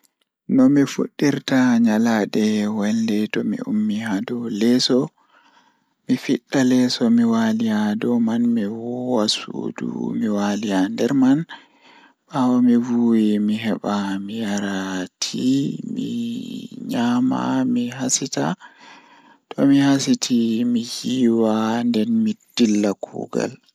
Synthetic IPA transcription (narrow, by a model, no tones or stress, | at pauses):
nɔmifṵɗːiɾtaɲalaɗɛwɛldɛtɔmḭṵmːihadɔlɛsɔ | mifiɗːalɛsɔmiwalijadɔmanmiwɔwasṵdṵmiwalijandɛɾman | ɓawɔmivuːwimiɦɛɓamijaɾatʰimḭ | ɲaːma̰miɦasita | tʰɔ̰mihasitʰimijiːwandɛnmid̥ilːakʰṵːɡa̰l